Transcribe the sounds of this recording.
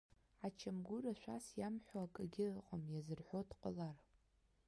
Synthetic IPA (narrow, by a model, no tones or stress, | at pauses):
ʕat͡ʃʰamɡʷʊraʃʷᶣa̰sjamħʷaakʼɨɡʲɪqʼamjazɨrħʷotʰqʼə̰lar